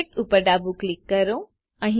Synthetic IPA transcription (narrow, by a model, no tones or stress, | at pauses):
ʈupəɾɖabuklikːəɾo | ãɦĩ